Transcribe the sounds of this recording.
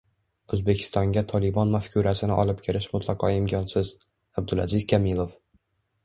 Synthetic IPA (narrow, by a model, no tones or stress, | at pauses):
ɵzbekʲʰɪ̥st̪ɒŋɡʲat̪ʰɒlɪbɒnmafkʲʰuɾasɪnɪʔɒ̰lɪp̚kʲʰɪɾɪʃmʊt̪ʰlˠɑqɒɪmkʲʰɒnsɪz | ab̚d̪ʊlazɪzkʲʰamilˠof